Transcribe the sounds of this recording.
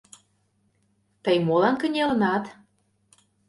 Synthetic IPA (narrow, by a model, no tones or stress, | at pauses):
t̪əjmolɑnkə̆nʲelə̆nɑt̪